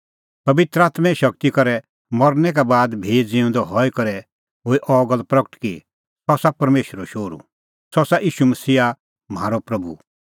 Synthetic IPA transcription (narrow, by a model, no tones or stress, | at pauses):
pɐbɪt̪ɾəaːt̪mɛ̃iʃɐk̚t̪ikɔɾɛ | mɔɾnɛk̬abaːd̪bʱeːd͡zɪʊ̃nd̪ɔɦɔikɐɾɛ | ɦoːiʔɔːɡəlpɾɐkəʈkḭ | sɔsapɐɾmeːʃəɾɔʃoːɾṵ | sɔsaʔiːʃumɐsiːa | m̤aːɾɔpɾɐbṵ